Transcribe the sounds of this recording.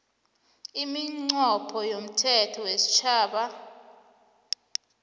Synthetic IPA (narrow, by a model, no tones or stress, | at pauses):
imiŋ͡ǀɔpʰɔjom̩tʰɛtʰɔwesi̥t͡ʃʰaːɓa